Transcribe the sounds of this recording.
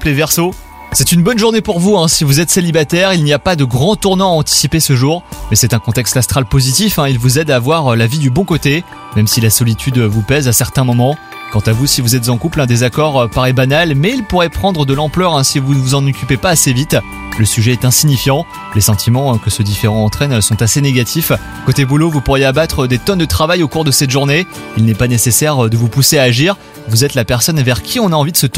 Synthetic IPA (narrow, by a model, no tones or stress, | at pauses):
plevɛʁso | sɛt̪ynbɔnʒuʁnepuʁvuɛ̃sivuzɛt̪selibat̪ɛʁilniapad̪əɡʁɑ̃t̪uʁnɑ̃aɑ̃t̪i̥sipesəʒuʁmɛsɛt̪ɛ̃kɔ̃t̪ɛkst̪ast̪χalpozit̪ifɛ̃ilvuzɛd̪aːvwaʁølavid̪ybɔ̃kot̪e | mɛmsilasɔlit̪ʰyd̪vupɛzasɛʁt̪ɛ̃mɔmɑ̃ | kɑ̃t̪avusivuzɛt̪zɑ̃kuplɛ̃d̪ezakɔʁøpaʁɛbanalmɛilpuʁɛpχɑ̃d̪ʁəd̪əlɑ̃plœʁɛ̃sivunəvuzɑ̃nɔkʲypepaːsevit̪ | ləsyʒɛːt̪ɛ̃siɲifjɑ̃ | lesɑ̃t̪ʰimɑ̃kəsəd̪ifeʁɑ̃ːt̪χɛnsɔ̃t̪aseneɡʲat̪ʰif | kot̪ebulovupuʁjeabat̪χəd̪et̪ɔnd̪ət̪χavajokuʁd̪əsɛt̪ʒuʁne | ilnɛpanesesɛʁd̪əvupuseaːʒiʁ | vuzɛt̪lapɛʁsɔnvɛʁkʲʰiɔ̃naɑ̃vid̪əsət̪